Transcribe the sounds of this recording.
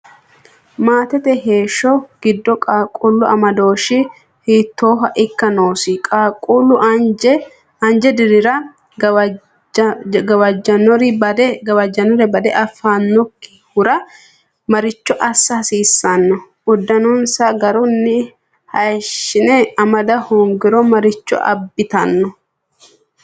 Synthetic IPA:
maːt̪ɛt̪ɛɦe̞ːʃɔɡ̥ɪd̪ːɔkʼaːkʼʊlːʊɐmɐd̪o̞ːʃɪ | hit̪ːo̞ːɦɐʔɪkːɐno̞ːsɪkʼakʼʊlːʊ | ɐnd͡ʒɛd̪ɪɾɪɾɐ | ɡɐwɐd͡ʒːɐnɔɾɪbɐd̪ɡɐwɐd͡ʒɐnɔɾɛbɐd̪ɛʔɐfːaːnːɔkːɪ̥hʊɾɐ | mɐɾɪt͡ʃːɔʔɐsːɐhɐsiːsːɐnːɔ | ʊd̪ːɐnɔnsɐɡɐɾʊnːɪ | hɐjʃːɪnɛɐmɐd̪ɐhɔŋɡɪɾɔmɐɾɪt͡ʃːɔ̰ʔɐ̰bːɪt̪ɐnːɔ

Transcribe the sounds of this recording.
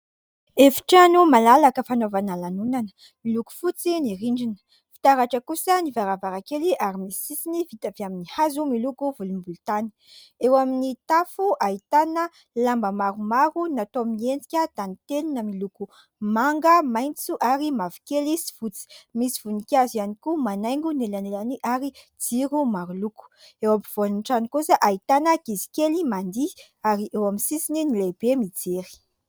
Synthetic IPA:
efi̥ʈ͡ʂanumalalakəfanovanalanunanə̥ | miluku̥fut͡siniɾiɳɖ͡ʐin | fi̥t̪aɾaʈ͡ʂəkusənivaɾavaɾakeliʔaɾimisisisinivit̪aviaminihazumilukuvulumbulut̪ani̥ | ewaminit̪afuʔaɦit̪anə | lambəmaɾumaɾunat̪omiiend͡zi̥kʲəd̪anit̪eninəmiluku | maŋɡəmajnt͡suʔaɾimavi̥kelisi̥v̥ut͡si̥misivunikʲazianikumanajŋɡunelanelaniʔaɾi | d͡ziɾumaɾuluku̥ewampiv̥oanunʈ͡ʂanikusəʔait̪anəkizi̥kʲelimand̪i | aɾiʔewaminsisininileb̥emid͡zeɾi̥

